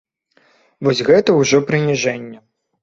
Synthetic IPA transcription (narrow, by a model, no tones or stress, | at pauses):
vɔsʲɣɛt̪ɐwʐɔpɾɨnʲiʐɛnʲːɐ